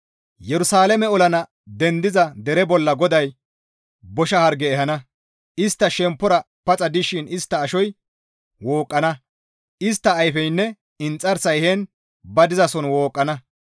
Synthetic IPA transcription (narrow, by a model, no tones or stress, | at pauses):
jɛɾʊsaːlɐmɛɔlɐnɐ | d̪ɛnd̪ɪzɐd̪ɛɾɛbɔlːɐɡɔd̪ɐj | bɔʃɐhɐɾɡɛːɦɐnɐ | ʔɪst̪ːɐʃɛmpːɔɾɐ | pɐt͡sʼɐd̪ɪʃɪnɪst̪ːɐːʃɔj | woːkʼːɐnɐ | ʔɪs̬t̪ːɐːjfɛjnːɛ | ɪnt͡sʼːɐɾsɐjhen | bɐd̪ɪzɐsɔnwoːkʼːɐnɐ